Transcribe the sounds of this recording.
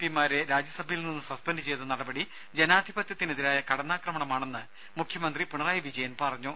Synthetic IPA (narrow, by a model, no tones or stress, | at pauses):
pimaːɾeɾaːd͡ʑjɐsɐbʱɐjilninːɨsɐspendɨt͡ɕe̞jt̪ːɨnɐɽɐbɐɽi | d͡ʑe̞naːd̪ʱibɐt̪jɐt̪ːineðiɾaːjɐkɐɽɐnːaːkrɐmɐɳɐmaːɳe̞nːɨ | mukʰjɐmɐnd̪ripuɳɐraːjɐʋid͡ʑɐjɐnpɐrɐɲːu